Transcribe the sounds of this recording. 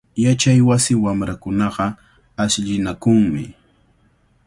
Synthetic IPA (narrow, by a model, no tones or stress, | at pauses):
jat͡ʃajwasɪwamɾakʊnɑqɑ | asʎɪnakʊŋmɪ̰